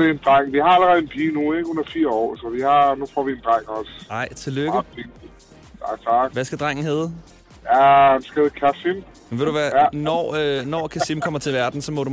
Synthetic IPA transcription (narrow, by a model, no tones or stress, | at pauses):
eend̥ʁaŋ̰ʋihɑ̈æləʁɛð̩ˠenpʰiːnueɡ̥ɔnɐfiɐ̰ɒ̰ːsɒʋihɑ̈nufɒ̰ːʋiend̥ʁaŋ̰ɒsɑ̈ɪ̰t͡sʰe̝løɡ̥əi | ɑ̥t͡sʰɑɡ̥ʋæsɡ̥æd̥ʁɑŋ̰n̩ɦeːð̩ˠ | jæænsɡ̥eð̩kʰæsim | mnʋe̝ɾuʋæɐnɒ̰ønɒkʰæsimkʰɒ̽m̰ɐt͡sʰe̝lʋæɐd̥n̩sɒ̽mɔ̽dɾu